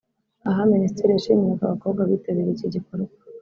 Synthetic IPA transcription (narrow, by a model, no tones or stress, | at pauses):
aɦaministeɾijaʃḭmijakaβako̞bɡaβitaβiβiciɟikoɾu